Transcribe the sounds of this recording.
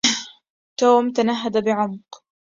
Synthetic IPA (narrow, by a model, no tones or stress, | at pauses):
t̪oːmt̪anaɦːad̪abɪʕʊmq